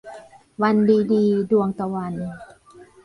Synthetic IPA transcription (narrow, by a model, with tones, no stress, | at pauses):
wa˧ndiː˧diː˧du˧əŋt̪a˧wa˧n